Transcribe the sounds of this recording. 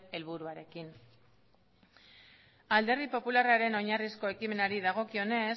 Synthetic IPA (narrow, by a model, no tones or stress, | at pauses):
e̞lβuɾuaɾe̞kin | ald̪e̞ɾrðipo̞pularaɾe̞no̞ɲarisko̞e̞kime̞naɾiðaɣ̞o̞kio̞ne̞s